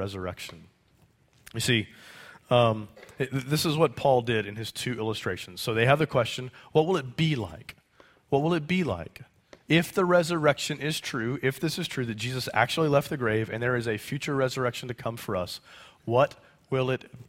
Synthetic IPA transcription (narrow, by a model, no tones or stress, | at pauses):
ɛzə˞ɛ̰kʃn̩ | jɨsi | mðɪsəzwʌt̚pʰɔlˠdɪɾɨ̃nɨz̥tʰʉɪlˠəstɹ̥eɪʃn̩z̥soʊðeɪɨvðɨkʰw̥ɛst͡ʃɨ̃nwʌt̚wəlˠət̚b̥ila̰ɪk | wʌt̚wəlˠɨt̚b̥ila̰ɪk | ɪfðɨɹɛzə˞ɛkʃɨ̃nɪz̥tʰɹ̥ʉɪfðɪsɨz̥tʰɹ̥ʉðɨt̚d̥ʒ̥izɨsæ̰k̚t͡ʃul̩ˠilɛft̪̚ðɨɡɹeɪvɨ̰̃nðə˞ɨzɨfjʉt͡ʃə˞ɹɛzə˞ɛkʃn̩tɨkʰʌ̃ɱfə˞ʌ̰swʌt̚ | wɪlˠɪt̚